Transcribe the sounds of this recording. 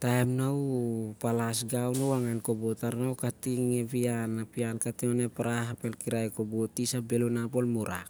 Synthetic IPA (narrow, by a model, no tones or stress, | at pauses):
taemnawpalasɡawnowaŋankobotaɾnawkatiŋeβianapiankationepaɾaɦapelkiɾajkobotisabe̞lunapo̞lmuɾʔa̰k